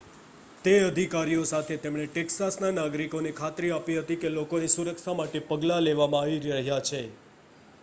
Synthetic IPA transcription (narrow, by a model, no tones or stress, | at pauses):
t̪eəd̪ʱikaɾijosat̪ʰet̪emɳeʈɛksasnanaɡɾikonekʰat̪ɾiapiɦət̪ikelokonisuɾəkʃamaʈepəɡlaleʋamãaʋiɾəɦjat͡ʃʰe